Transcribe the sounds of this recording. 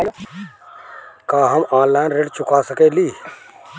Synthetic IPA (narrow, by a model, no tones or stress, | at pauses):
kaːɦəmãːllãːnɾeɖt͡ʃʊkaːsəkeːliː